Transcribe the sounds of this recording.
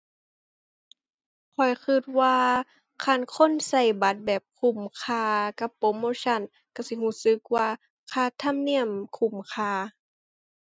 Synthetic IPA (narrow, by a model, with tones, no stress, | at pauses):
kʰɔ˨˩jkʰɯ˧˩t̪̚waː˧ | kʰa˧˥˩nkʰo˧˥˨nsa˧˩jba˧˦t̪̚bɛː˨˩p̚kʰu˧˩mkʰaː˧˩ka˧˦pːoː˧˦moː˧˦˨sa˧˥˨n | ka˧˩si˧˦huː˧˩˨sɯ˧˦k̚waː˧ | kʰaː˧˩t̪ʰa˧˥˨mni˧˥˨əmkʰu˧˩mkʰaː˧˩